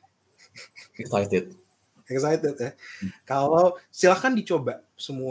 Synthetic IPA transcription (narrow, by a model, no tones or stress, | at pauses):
ɛksajt̪ɪt̪̚ | ɛksajt̪ɛt̪̚jɛhkalawsilahkandit͡ʃobasəmu